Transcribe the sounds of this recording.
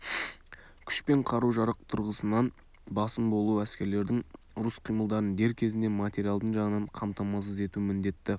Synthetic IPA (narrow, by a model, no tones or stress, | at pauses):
kʲʰʏ̥ʃpe̞ɴqʰɑɾuwʒɑɾəq̚t̪ʰʊɾʁəsənɑn | bɑsəmbo̞lˠuæskʲe̞ɾle̞ɾd̪ɪŋ | ʊɾʊsqʰijməlˠd̪ɑɾənd̪e̞ɾkʲʰe̞zɪnd̪e̞mat̪ʲe̞ɾʲijalˠd̪əɴʒɑʁənəɴqʰɑmt̪ɑmɑs̬əze̞t̪umɪnd̪e̞t̪ːɪ